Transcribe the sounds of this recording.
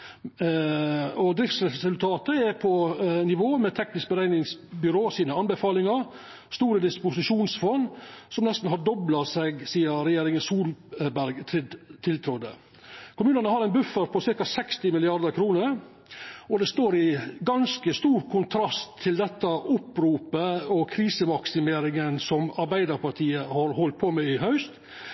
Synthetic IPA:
ɔd̪ɾɪft̪sɾɛsʉlt̪ʰɑːt̪əɛɾpʰɔnɪʋoːmɛt̪ʰɛknɪsk̚bəɾæɪnɪŋsbʏɾoːsiːnəɑnbəfɑːlɪŋɑɾ | st̪uːɾəd̪ɪspʊsɪʂuːnsfɔnːsɔmnɛst̪n̩ɦɑɖɔblɑsɛɡsiːəɾɛjeːɾɪŋənsuːlbæɾɡt̪ʰɾɪd̪t̪ʰːɪlt̪ʰɾɔd̪ə̰ | kʰʊmʉːnənəhɑɾæɪnbʉfəɾpʰɔsɪɾkɑsɛkst̪ɪmɪlɪɑɾd̪əɾkʰɾuːnəɾ | ɔd̪ɛst̪oːɾɪɡɑnskəst̪uːɾkʰʊnt̪ʰɾɑst̪ʰːɪld̪ɛt̪ːɑʔʊpɾuːpəɔkʰɾiːsəmɑksɪmeːɾɪŋənsɔmɑɾbæɪd̪əɾpɑʈ̪ʰiːəhɑɾhɔlt̪̚pʰɔmɛɪɦɑʉst̪

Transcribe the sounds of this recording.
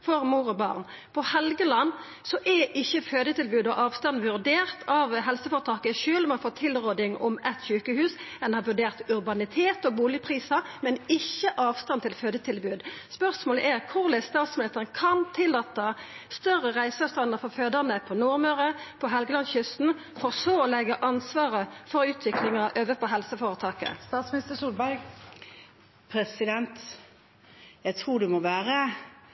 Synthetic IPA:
fɔʁmuːɾɔbɑ̰ːʁn | pʰɔhɛlɡəlɑnː | sɔʔɛʔɪçːəføːd̪ət̪ʰɪlbʉːd̪ɔʔɑːʋst̪ɑnʋʉʁd̪eːʁt̪ʰɑʋɦɛlsəfɔːʁt̪ʰɑːkəʃʉːlmɛnfoːt̪ʰɪlʁoːd̪ɪŋʔɔ̰mʔɛt̪ɕʉːkəhʉːsɛnhɑʋʉɖeːʁt̪ʉɾbɑnɪt̪ʰeːt̪ɔːbuːlɪəpʰʁiːsɑmɛnɪçːəʔɑːʋst̪ɑnt̪ʰɪlføːd̪ət̪ʰɪlbʉːd̪spœʁsmoːlə̰ʔɛʁkʰʊʁlæɪst̪ɑːt̪smɪlɪst̪əʁənkʰɑnt̪ʰɪlːɑːt̪ːəst̪œʁəʁæɪsɑʋst̪ɑnəʁfɔʁføːd̪əʁnəpʰɔnuːʁmøːʁəpʰɔɦɛlɡəlɑnçʏst̪n̩fɔʁsoːɔlɛɡəʔɑnsʋɑːʁəfɔʁʉːt̪ʰʋɪklɪŋɑʔøːʋəpʰɔɦɛlsəfoːʁət̪ʰɑːkə̰st̪ɑːt̪smɪnɪst̪əsuːlbæɪɡ | pʰɾɛsɪd̪ɛnt̪ | jæɪt̪ʰʁuːɖɛmɔʋæːʁə

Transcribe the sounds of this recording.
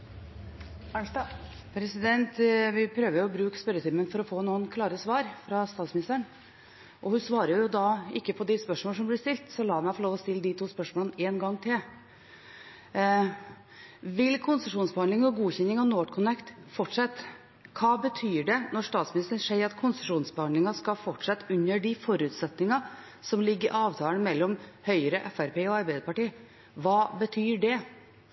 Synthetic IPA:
pʰɾɛsɪd̪ɛnt̪ʋɪpʰɾøːʋəɾjʊɔbɾʉːkspœɾət̪ʰɪmːənfɔɾɔfoːnuːənkʰlɑːɾəsʋɑːɾfɾɑst̪ɑːt̪smɪnɪst̪əɳ | ʔɔhʉnsʋɑːɾəjʊjʊd̪ɑɪkːəpʰɔd̪ɪspœʂmɔːəʂ̬ɔmblɪst̪ɪlt̪sɔlɑːmæɪfɔɭoːʋɔst̪ɪlːəd̪ɪt̪ʰuːspœʂmɔːləneːnɡɑŋːt̪ʰɪl | ʋɪlkʰʊnsəʂuːnsbəhɑnd̪lɪŋɔɡuːçɛnːɪŋɑʋnoːʈkʰʊnɛkt̪fɔʈʂɛt̪ː | kʰɑːbət̪ʰyːɖɛnɔʂt̪ɑːt̪smɪnɪst̪ɾənʂeɪɾɑt̪kʰʊnsə̥ʂuːnsbhɑnd̪lɪŋɑskɑfɔʈʂɛt̪ːʉnːəɖɪfɔɾʉːt̪sɛt̪nɪŋɑ | sɔmlɪɡːɪɾʔɑːʋt̪ʰɑːlənmɛlːɔmhœʏəɾəʔɛfæɾpeːɔɑɾbæɪd̪əɾpɑʈiː | ʋɑːbət̪ʰyːɖɛ

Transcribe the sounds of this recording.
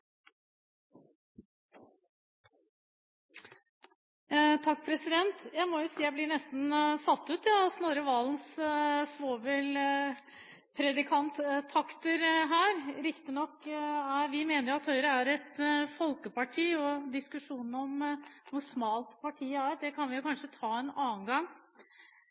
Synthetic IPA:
t̪ʰɑk̚ːpʰɾɛsɪd̪ɛnt̪jæɪmɔjʊsiːjæɪblɪɳɛst̪nsɑt̪ːʉːt̪ɑɑsnoːɾəʋɑːlnssʋoːʋɛl | pʰɾɛd̪ɪkʰɑnt̪t̪ʰɑkt̪əɾɦæːɾɾɪkt̪ɪnɔkːæɾʋɪmeːnəɾjʊɑt̪hœʏɾəæɾɛt̪fɔlkəpɑʈʰiːɔd̪ɪskʉʂuːnn̩ɔmʋʊsmɑːlt̪pʰɑʈʰiːəæːɾd̪ɛkʰɑnʋɪjʊkʰɑnʂət̪ʰɑːɛnɑːnɡɑŋː

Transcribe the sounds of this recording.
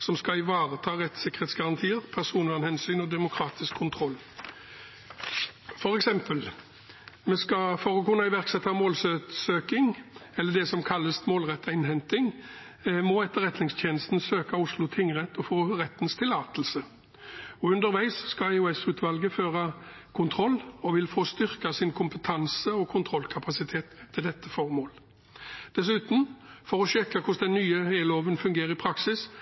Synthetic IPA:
sɔmskɑɪʋɑːʁət̪ʰɑːʁɛt̪sɪkːəʁ̥eːt̪sɡɑʁɑnt̪ʰiːəʁpʰæʁsuːnɑnhɛnsyːnɔd̪ɛmʊkʰɾɑːt̪ɪskʰːʊnt̪ʰʁɔlː | fɔɾɛksɛmpəl | mɛskɑfɔɾɔkʉnːɑɪʋæʁksɛt̪ːɑmoːlsøsøːkɪŋɛlːəd̪ɛsɔmkʰɑlːəst̪moːlʁɛt̪ʰːɑɪnɦɛnt̪ɪŋ | mɔɛt̪ːəʁɛt̪nɪŋst̪ʰeːnəst̪n̩søːkɑʊslʊt̪ʰɪŋʁɛt̪ːɔfoːʁɛt̪ːn̩st̪ʰɪlɑːt̪əlsə | ɔʉnd̪əɾʋæɪsskɑæɪʊɛsʉːt̪ʰʋɑlɡəføːʁɑ | kʰʊnt̪ʰʁɔlːɔʋɪlfoːst̪ʏʁkɑsɪnkʰʊmpət̪ʰɑnsəɔkʰʊnt̪ʰʁɔlkʰɑpɑsɪt̪ʰeːt̪ʰːɪld̪ɛt̪ːəfɔʁmoːl | d̪̥ɛs̬ʉːt̪n̩fɔʁɔʃɛkːɑkʰʊsd̪ɛnːyːəeːloːʋənfʉŋɡeːɾəɪpʰɾɑksɪs

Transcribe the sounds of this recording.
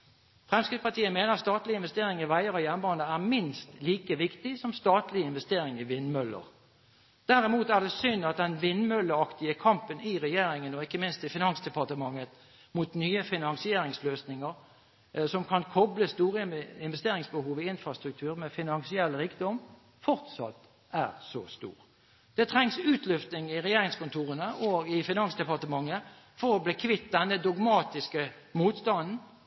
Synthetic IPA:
fʁɛmskɪspɑt̪iːəmeːnəʁɑtst̪ɑːt̪lɪɪnʋɛst̪eːɾɪŋɪʋæɪəɾɔjɛnbɑːnəæʁmɪnst̪liːkəʋɪkt̪ɪsɔmst̪ɑːt̪lɪɪnʋɛst̪eːɾɪŋɪʋɪnmœlːə̰ɾ | d̪̥æɾɪmuːt̪æd̪ɛsʏnɑt̪̚d̪ɛnʋɪnmœlːəɑkt̪ɪəkʰɑmpənɪʁɛjeːɾɪŋənɔɪkːəmɪnst̪ɪfɪnɑnsd̪ɛpɑt̪əmɑŋːət̪ | muːt̪nyːəfɪnɑŋsɪeːɾɪŋsløːsnɪŋəɾ | sɔmkʰɑnkʰɔbləst̪uːʁəɪnʋɛst̪eːɾɪŋsbəhuːʋɪɪnfɾɑst̪ɾʉk̚t̪ʰʉːɾmɛfɪnɑnsɪɛlːɾiːkd̪ɔm | fɔʁt̪sɑ̰t̪ | æʁsɔ̰st̪ṵːʁ | d̪̥ɛt̪ʰɾɛŋsʉːt̪ʰlʏft̪nɪŋɪʁɛjeːɾɪŋskʊnt̪ʰuːʁənəʔɔːɡɪfɪnɑŋsd̪ɛpɑʁt̪əmɑŋːə | fɔɾɔbleːkʰʋɪt̪̚d̪ɛnːəd̪ɔɡmɑːt̪ɪskə | muːt̪st̪ɑnn̩

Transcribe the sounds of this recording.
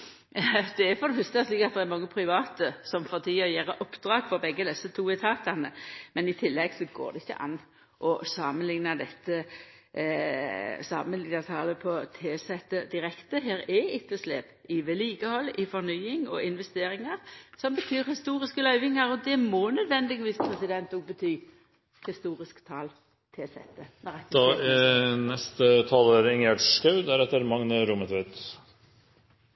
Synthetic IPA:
d̪ɛæfɔd̪əfʉst̪ɛʂliːkɑt̪̚d̪ɛɛɾmɑŋːəpʰɾɪʋɑːt̪əsɔmfɔt̪ʰiːɔjeːɾəʔɔpd̪̥ɾɑːɡfɔɾbɛɡːəd̪ɛsːət̪ʰuːɪt̪ʰɑːt̪ɑnəmɛnɪt̪ʰɪlːɛɡsɔɡo̰ːʁd̪ɛɪçːə̰ʔɑ̰nː | ʔɔsɑːmənlɪŋnɑd̪ɛt̪ːə | sɑ̰ːmənlɪŋɑt̪ʰɑːləpʰɔt̪ʰeːsɛt̪ːəd̪ɪɾɛkt̪əɦeːɾɛɪt̪ːəslḛːpɪʋeliːkəhɔlːɪfɔɾnyːɪŋɔɪnʋɛst̪eːɾɪŋɑʁsɔmbət̪ʰyːɾhɪst̪uːɾɪskəlœʏʋɪŋɑɾɔd̪ɛmɔnœd̪ʋɛnd̪ɪɡʋiːspʰʁɛsɪd̪ɛnt̪ɔːɡ̚bət̪ʰyː | hɪst̪uːɾɪskt̪ʰɑːl | t̪ʰeːsɛ̰t̪ːənɛʁɛt̪ːd̪ɑ | nɛst̪ət̪ʰɑloːɾɪŋæʈʂkɑʉd̪æɾɛt̪ːəɾmɑŋnəɾʊmət̪ʋeːt̪

